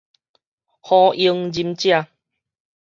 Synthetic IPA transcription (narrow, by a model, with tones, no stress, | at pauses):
hɔ̃˧i˧ŋd͡ʑi˧mt͡ɕjã˦˧˨